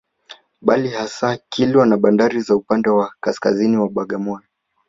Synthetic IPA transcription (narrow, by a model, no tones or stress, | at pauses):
ɓalihasaːkilwanaɓandaɾizaupandɛwakaskaziniwaɓaɡamɔjɔ